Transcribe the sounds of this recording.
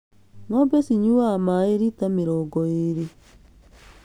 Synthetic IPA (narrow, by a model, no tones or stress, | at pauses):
ŋɔbesiɲuamaeɾitamiɾɔɡɔeɾi